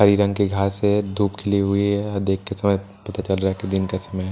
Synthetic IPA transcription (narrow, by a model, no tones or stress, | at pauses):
ɦɐɾiɾɐ̃ŋɡkeɡʱaːsed̪ʱuːpkʰɪliɦʊiɦɐd̪eːkːesɐməj | pɐt̪at͡ʃɐlɾaɦaked̪ɪnkasɐməj